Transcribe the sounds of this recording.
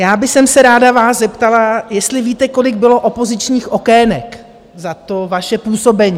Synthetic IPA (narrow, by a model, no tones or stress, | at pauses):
jaːbɪxsɛmsɛɾaːdavaːszɛpt̪alajɛst̪lɪviːt̪ɛko̞lɪɡ̚bɪlo̞ʔo̞po̞zɪt͡ʃɲiːxʔo̞kɛːnɛk | zat̪o̞vaʃɛpuːso̞bɛɲiː